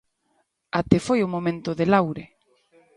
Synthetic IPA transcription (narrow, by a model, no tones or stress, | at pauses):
at̪efojʊmomẽnt̪ʊðɪlawɾɪ